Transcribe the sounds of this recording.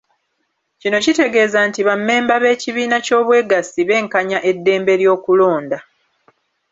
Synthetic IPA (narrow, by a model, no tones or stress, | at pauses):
cino̞cite̞ɡe̞ːzantiβamːe̞ːmbaβe̞ːciβiːnaco̞ːβwe̞ːɡasiβe̞ːŋkaɲaʔe̞dːe̞ːmbe̞ɾjo̞ːkulo̞ːnda